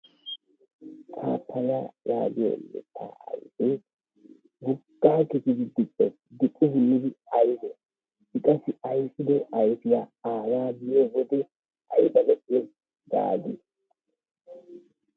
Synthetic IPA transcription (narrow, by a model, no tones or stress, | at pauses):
tʰaːpʰːɐlaja̰ːɡɪjo̰lːɛ̰t̪ʰːa̰ːɐ̰jfɛ | ɡʊɡːaːkɪt̪ɪd̪ɪd̪ɪpʼːɛ | d̪ɪkʼːʊhʊnːɪd̪ɪɐjbɔ | ɪkʼɐsɪɐjfɪd̪ɔɐjfɪjaaːlaːbɪjowɔd̪ɛ | ɐjbɐlɛʔɪɛs | d̪a̰ːd̪ɪs